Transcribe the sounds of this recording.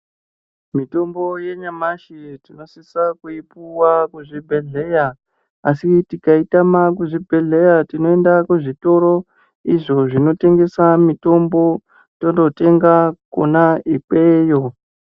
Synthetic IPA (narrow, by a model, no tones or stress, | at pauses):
mito̞mbo̞je̞ɲamaʃitino̞sisakuipuwakuʐibʱeɮe̞ja | asitikaitamak̬uʐibʱe̞ɮe̞jatino̞e̞ndakuʐito̞ɾo̞ | iʐo̞ʐino̞te̞ŋɡe̞samito̞mbo̞ | tondo̞te̞ŋɡako̰naipe̞ːjo̞